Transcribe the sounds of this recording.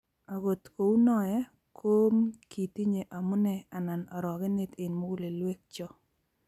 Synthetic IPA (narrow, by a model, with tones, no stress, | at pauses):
a˨ɡo˨t̪ko˨u˦nɔ˦jɛ˦ | kʰo˦mki˨ti˦ɲe˨ʔa˨mʊ˦nɛ˦a˨na˨nɔ˨ɾɔ˨ɣɪ˦ne˦tɪ˨nmo˦ɡu˦le˨lwe˦k̚t͡ʃɔ˦